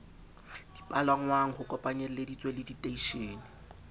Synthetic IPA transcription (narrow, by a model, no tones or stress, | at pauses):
d̥i̥pʼalaŋ̩waŋ̩χʊkʼɔpʼaɲɛl̩ledit͡sʼwelɪditʼeiʃeːnɪ